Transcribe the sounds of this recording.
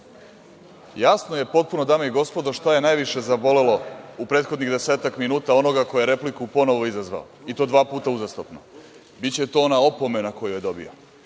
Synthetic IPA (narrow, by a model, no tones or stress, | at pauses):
jasno̞je̞po̞t̪̚puno̞d̪aːmeiɡo̞spo̞d̪oʃt̪aje̞najʋiʃe̞zabo̞le̞lo̞upɾe̞ːt̪xo̞d̪niɣd̪e̞se̞ːt̪akminuːt̪ao̞no̞ɡako̞jeɾe̞plikupo̞no̞ʋo̞izazʋa̰o̰it̪o̞ːd̪ʋaːpuːt̪auzast̪opno | bitt͡ɕe̞t̪oːonaopo̞me̞nako̞jojed̪o̞bḭo